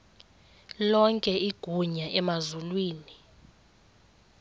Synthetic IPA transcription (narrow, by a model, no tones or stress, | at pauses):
lɔŋkʼɛiɡ̥ʱuɲaʔɛmazulwiːni